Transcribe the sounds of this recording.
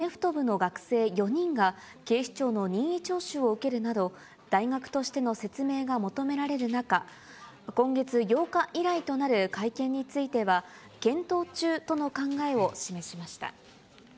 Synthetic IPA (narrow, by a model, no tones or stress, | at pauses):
neɸɯ̥t̪o̞bɯ̟no̞ɡakɯ̟̥se̞ːjo̞ɲ̟ĩŋɡa | ke̞ːɕi̥t͡ɕo̞ːno̞ɲ̟ĩɰ̃it͡ɕo̞ːɕɨo̞ɯ̟ke̞ɾɯ̟nad̪o̞ | d̪̥aiɡakɯ̟̥t̪o̞ɕi̥t̪e̞no̞se̞t͡sɨme̞ːɡamo̞t̪o̞me̞ɾaɾe̞ɾɯ̟naka | kõ̞ŋɡe̞t͡sɨjo̞ːkaʔiɾait̪o̞naɾɯ̟kaikẽ̞ɲ̟ːit͡sɨit̪e̞βa | kẽ̞nt̪o̞ːt͡ɕɨːt̪o̞no̞kãŋɡae̞o̞ɕime̞ɕimaɕi̥t̪a̰